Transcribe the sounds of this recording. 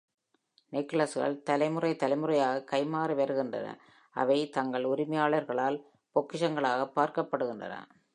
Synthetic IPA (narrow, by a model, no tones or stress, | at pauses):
nɪkːɐɭɐsɯɣɐ̰ɭt̪ɐlɐɪmɯrɐɪt̪ɐlɐɪmɯrɐjaːɣɐkɐɪmaːrɯʋeɾɯɣɪndrɐ̰nɐ̰ | ɐ̰ʋɐɪt̪ɐŋɡɐɭʊɾɪmɐjaːɭɐɾɣɐɭaːl | pɔkːɪʂɐŋɡɐɭaːɣɐpːaːɾkɐpːɐɽɯɣɪndrɐ̰nɐ̰